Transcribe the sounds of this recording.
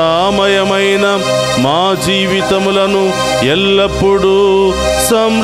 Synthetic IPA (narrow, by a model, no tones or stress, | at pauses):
aːmɐjɐmɐjnɐ | maːd͡ʒiːʋit̪ɐmulɐnu | ɛlːɐpːuɽu | sɐm